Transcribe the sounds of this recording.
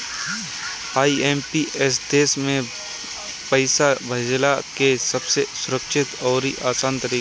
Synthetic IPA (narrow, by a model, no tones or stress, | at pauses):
aːieːmpiɛs̬d̪eːsmẽ | pəɪsabʱɐd͡ʒlaːkesɐbsesʊɾəkʃɪt̪ɔːɾiʔaːsaːnt̪əɾiː